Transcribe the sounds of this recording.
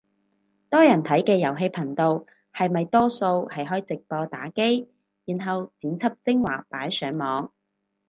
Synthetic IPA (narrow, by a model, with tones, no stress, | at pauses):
t̪ɔː˥jɐ˨˩nt̪ʰɐ˨˥jkɛː˧jɐ˨˩wɦe˧jpʰɐ˨˩ŋt̪o˨w | hɐ˨jmɐ˨jt̪ɔː˥so˧whɐ˨jɦɔː˥jt͡sɪ˨k̚pɔː˧t̪aː˨˥ke˥j | jiː˨˩nɦɐ˨wt͡siː˨˥nt͡sʰɐ˥p̚t͡sɪ˥ŋwa̰ː˨˩paː˨˥jsœː˨˥ŋmɔː˨˧ŋ